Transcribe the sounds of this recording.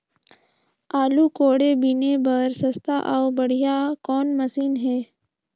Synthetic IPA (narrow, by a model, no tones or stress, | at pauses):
aːluːkoːɽebɪnebəɾsəst̪ʰaʔaʊbəɽ̤ijakɔːnməsiːnɦɛː